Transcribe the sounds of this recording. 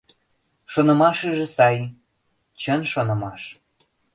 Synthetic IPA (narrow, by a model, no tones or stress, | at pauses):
ʃonɤ̆mɑʃeʒĕsɑj | t͡ɕənʃonɤ̆mɑʃ